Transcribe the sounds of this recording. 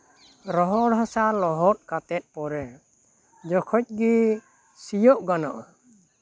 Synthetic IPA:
ɾɔɦɔɽɦɔsalɔɦɔt̪̚kat̪ɛt̪̚ˀpɔɾɛ | d͡ʒɔkʰɔc̚ˀɡi | sijɔʔɡanɔʔɔ

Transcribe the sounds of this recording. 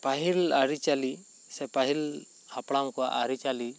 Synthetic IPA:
paɦilaɾit͡ʃali | sɛpaɦil | hapɽaŋkɔwa̰ʔaɾit͡ʃali

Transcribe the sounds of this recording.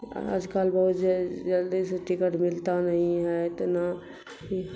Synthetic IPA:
a̰d͡ʒkaːlbəɦut̪d͡ʒd͡ʒəld̪iseʈɪkəʈmɪlt̪anəɦĩɦɛt̪ɔna | i

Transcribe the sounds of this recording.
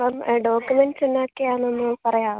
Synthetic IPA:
ɐmɖo̞ːkjumenɖsunːoːkːejaːnonːɨpɐrɐjaː

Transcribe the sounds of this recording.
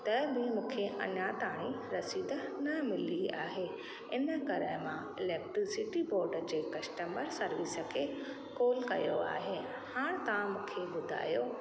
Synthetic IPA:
t̪ɐbɪmũːkʰeʔɐ̰ɲat̪aːɽ̃i | ɾɐsiːd̪ənɐmɪlia̰ːɦe | ɪnə̆kɐɾəmã̰ | ɪlɛːk̚ʈɾɪsɪʈiboːɾɖəd͡ʑeːkɐsʈəməɾsɐɾʋɪsə̆kʰeː | koːlkɐ̰jo̰a̰ːɦe | haːɽ̃t̪ɐʋãmũːkʰebʊd̪ʱa̰ːjoː

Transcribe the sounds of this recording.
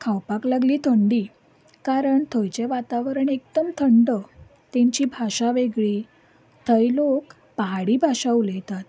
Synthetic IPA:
kʰawpaklaɡliːt̪ʰəɳɖiː | kaɾəɳt̪ʰəjt͡ɕeʋat̪aʋɾəɳek̚d̪əmt̪ʰəɳɖə | t̪ẽɲt͡ɕiːbʱaɕaʋeɡɭiː | t̪ʰəjlok | paɦaɽiːbʱaʂəwlet̪at̪

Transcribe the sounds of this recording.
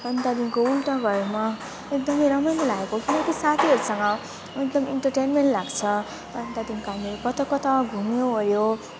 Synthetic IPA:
pʌnd̪ad̪inkoulʈãɡʱʌɾma | ekd̪ʌmʌjɾʌmʌjnʌlaɡekokinʌ̃ŋkisat̪ʰiɦʌɾusʌŋɡʌ | ek̚d̪ʌmiɳʈʌrʈejnmeɳʈlaɡt͡sʰʌ | pʌnd̪ad̪inkoɦamiʌɾukʌt̪ʌkʌt̪ʌɡʱumjoɦʌɾjo

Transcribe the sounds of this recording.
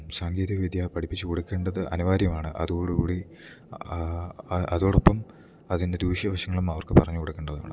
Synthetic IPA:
saːŋɡeːðiɐʋid̪japɐʈʰipːit͡ɕːɨkoɽukːe̞ːɳɖɐðɨʔɐnuʋaːɾjɐmaːɳɨʔɐ̰ðukoːɽukuːɽi | ɐ̰ðo̞ːɽopːɐm | ɐðinde̞d̪uːʂjɐbɐɕɐŋːɐɭumɐʋɐrkɨpɐrɐɲːukoɽukːeːɳɖɐða̰ːɳɨ

